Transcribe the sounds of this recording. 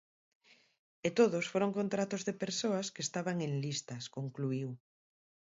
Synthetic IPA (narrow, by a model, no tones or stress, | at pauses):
et̪oðosfoɾoŋkont̪ɾat̪ozðepeɾsoaskeːst̪aβaŋeŋlist̪ɐskoŋkluiw